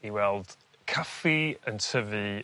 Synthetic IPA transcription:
iwɛlˠd̥ | kʰafiəntʰəvɨ

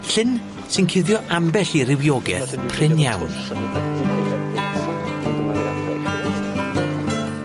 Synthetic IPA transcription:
ɬɪn | sɨnkʰɪðjɔʔambɛɬiɾɪwjɔɡɛ̰θpʰrɪnjawn

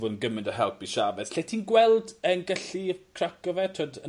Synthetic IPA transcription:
vʊdnɡəmɪndɔɦɛlˠpiʃavɛθɬeːtʰiːnɡwɛlˠdənɡəɬikʰrakɔvɛtʰoːdə

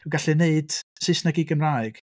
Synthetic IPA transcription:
ɔɡaɬɨneɨd̥sɪsnaɡiɡəmraːɨɡ̥

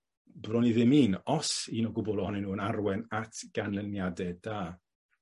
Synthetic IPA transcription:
brɔniðɪmiːnɔsiːnɔɡʊbʊlˠɔhɔnɛnuːənarwɛnatʰɡ̥anlˠənjadɛdaː

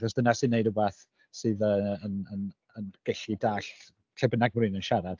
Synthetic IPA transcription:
ðɔsd̥ənasɨːnejdəbaːθ | sɨːðəənən | ənɡ̥ɛɬidaːɬ | ɬʰɛbənaɡmrɨːnənʃaɾad̥

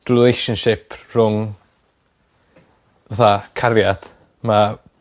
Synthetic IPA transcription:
rɪlejʃənʃɪpʰr̥ʊŋ | vaθakʰaɾjad̪̥ | ma

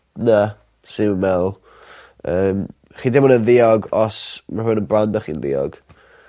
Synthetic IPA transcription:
na | sɪmmɛlˠ | əːm | χiːdɪmɔnənðɪɔɡɔsmarhʊnənbrandɔχḭːnðɪ̰ɔ̰ɡ̥

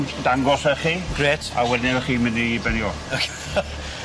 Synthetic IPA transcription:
d̥aŋɡɔsəχiɡ̥reːtʰa̰wɛdnɛəχiːməniibɛnjɔ

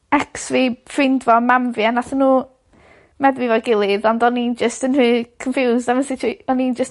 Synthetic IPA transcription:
ɛksvifɪndvɔmamvjanatʰənːuː | mɛðwivɔɡɪlˠɪðɔndɔnind͡ʒəstənrɨːkʰə̃nfjuːzdavənsɪtʰiɔnind͡ʒəs

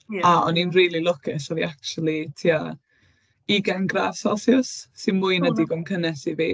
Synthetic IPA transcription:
aɔninriːlˠilˠʊkʰɪsɔviak̚t͡ʃulˠitʰiːa | iɡɛnɡra̰v̥sɛlˠθjʊsːɨnmuɨnədiɡɔmkʰənɛsivḭː

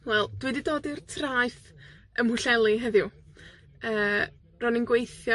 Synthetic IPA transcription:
wɛlˠd̥wiːdidoːdirtʰrajθəmhʊɬɛlˠiɦəðjʊ | əː | rɔninɡwejθjɔ

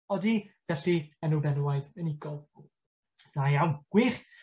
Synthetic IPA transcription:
ɔdivɛɬiənubɛnuwaɨðənɪɡɔlˠ | d̥ajawɡ̥wɪχ

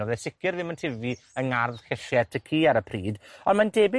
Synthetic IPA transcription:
ɔðɛsɪkʰjɨrðɪməntʰɪvi | əŋarðkɛɬjɛtʰəkʰiːaɾəpʰriːdɔnmandeːbɪ

